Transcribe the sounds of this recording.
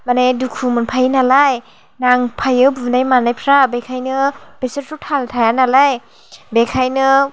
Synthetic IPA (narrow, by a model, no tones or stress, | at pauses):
manedukʰumɯnpʰajnalaj | naŋpʰajɯbunajmanajpʰɾabekʰajnɯb̥eseɾɾutʰaltʰajanalaj | bekʰajnɯ